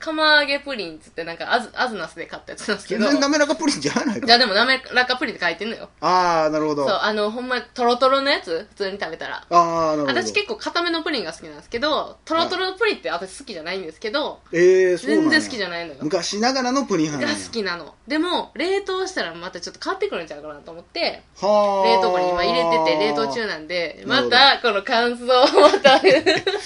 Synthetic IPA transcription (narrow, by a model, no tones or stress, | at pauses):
kʰamaɡe̞pɯ̟ɾʲĩnt͡sɨ̥t̪ːe̞nãŋka̰ʔazɨazɨnasɨd̪e̞kat̪ːajat͡sɨnãnsɨ̥ked̪oename̞ɾakapɯ̟ɾʲĩɲd͡ʒaanaid͡ʑaːd̪e̞mo̞name̞ɾakːapɯ̟ɾʲĩt̪ekait̪enojo̰aːnaɾɯ̟hod̪oso̞ːʔano̞ɦõ̞mːat̪o̞ɾo̞t̪o̞ɾono̞jat͡sɨɸɯ̟̥t͡sɨːɲ̟it̪abe̞t̪aɾa̰aːnaɾat̪aɕi̥ke̞kːo̞ːkat̪ame̞no̞pɯ̟ɾʲĩŋɡasɨ̥kʲinãsɨ̥ke̞d̪o̞t̪o̞ɾo̞t̪o̞ɾonopɯ̟ɾʲĩt̪ːeat̪oɕi̥sɨ̥kʲiʑanaĩnd̪esɨ̥ke̞d̪o̞ed͡zẽ̞nd͡zẽsɨ̥kʲiʑanaĩnojomɯ̟kaɕinaɡaɾano̞pɯ̟ɾʲĩɦãɡasɨ̥kʲinano̞̰d̪e̞mo̞ɾe̞ːt̪o̞ːɕi̥t̪aɾamat̪at͡ɕo̞t̪ːokaβat̪ːekɯ̟ɾɯ̟̃ɲ̟t͡ɕakoɾanat̪o̞ːmot̪ːe̞ | haɾe̞ːt̪o̞ːkɯɾʲĩmaiɾe̞e̞t̪e̞ɾe̞ːt̪o̞ːt͡ɕɨːnãnd̪e̞mat̪ako̞no̞kãɰ̃sɨoːat̪aɾɯ